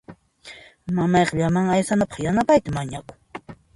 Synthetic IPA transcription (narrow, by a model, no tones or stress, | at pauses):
mamɑjqʎamaŋajsanapɑ̥χjanapajt̪amaɲakʊ̥ŋ